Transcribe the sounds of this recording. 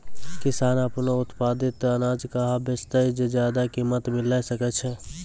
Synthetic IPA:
kɪsaːnəpnoʊt̪paːd̪ɪt̪ənaːd͡ʒkəɦabəst̪əjd͡ʒed͡ʒjaːd̪akimət̪mɪlajsəkət̪t͡ʃʰɛ

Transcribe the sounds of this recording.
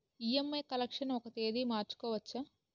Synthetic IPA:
iːemːɐkɐlɐkʂɐnɔkɐt̪eːd̪iːmaːɾt͡ʃu̥kɔːʋɐt͡ʃːɐ

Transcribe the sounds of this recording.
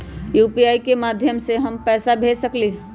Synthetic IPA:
juːpiaːikemaːd̪ʱjəmseɦɐmpɛːsabʱeːsəkleː

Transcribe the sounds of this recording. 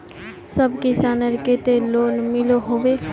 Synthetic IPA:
səbkɪsaːnəɾket̪eloːnmɪloɦoːʋe

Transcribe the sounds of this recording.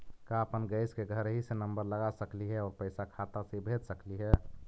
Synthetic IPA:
kaəpənɡəɪskeɡʱəɾɦisenəmbəɾləɡasəkliɦɛɔːɾpəɪsakʰat̪aseibʱet̪səkliɦɛ

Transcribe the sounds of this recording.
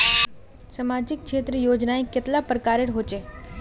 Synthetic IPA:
sɐmaːd͡ʒɪk̚ʃʰeːt̪ɾəjoːd͡ʒnaːẽkɪt̪lapɾəkaːɾɪʈɦoːt͡ʃeː

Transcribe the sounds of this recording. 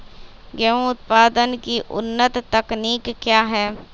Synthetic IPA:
ɡɛũʊt̪̚paːd̪ənkiːʔʊ̰nːət̪ːəkniːkːjaːɦɛː

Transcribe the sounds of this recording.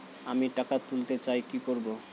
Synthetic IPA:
amiʈakat̪ult̪et͡ɕajkikoɾbo

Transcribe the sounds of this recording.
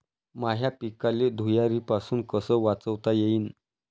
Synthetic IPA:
maɦjapikaled̪ʱujaɾiːpasuːnkəsəːʋat͡səʋt̪ajeiːn

